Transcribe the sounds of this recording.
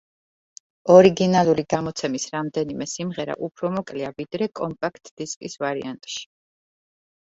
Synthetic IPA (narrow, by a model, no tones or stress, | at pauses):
ɔɾiɡinalˠuliɡamɔt̪sʰɛmisɾamd̪ɛnimɛsimʁɛɾa̰ʔupʰɾɔmɔkʼliavid̪ɾɛkʼɔmpʼakʰt̪ʼd̪̥iskʼisvaɾḭant̪ʼʃi̥